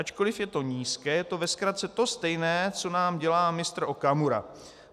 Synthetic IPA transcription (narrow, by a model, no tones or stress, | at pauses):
at͡ʃko̞lɪfjɛt̪o̞ɲiːskɛːjɛt̪o̞vɛskɾat̪t͡sɛt̪o̞st̪ɛjnɛːt͡so̞naːmɟɛlaːmɪst̪ɾ̩ʔo̞kamuɾa̰